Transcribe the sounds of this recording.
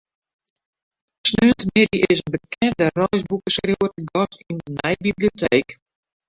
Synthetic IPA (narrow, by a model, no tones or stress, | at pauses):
snyəntəmɪdiʔɪsənbəkɛndərɔjsbukəskrowəəɡɔtindənɛjbiblijotʰeːk